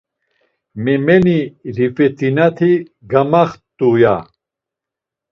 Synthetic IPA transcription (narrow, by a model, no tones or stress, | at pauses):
mɛmɛniɾifɛt̪inat̪ʰi | ɡamaχt̪ʼuja̰